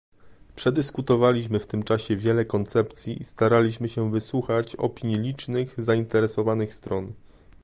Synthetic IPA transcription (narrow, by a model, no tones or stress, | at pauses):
pʂɛd̪ɘskut̪ɔvalʲiɕmɘft̪ɘmt͡ʂaɕɛvʲjɛlɛkɔnt̪sɛpt̪sʲjiʔist̪aɾalʲiɕmɘɕɛvɘswuxat͡ɕɔ̰pʲiɲjilʲit͡ʂnɘɣzaint̪ɛɾɛsɔvanɘxst̪ɾɔn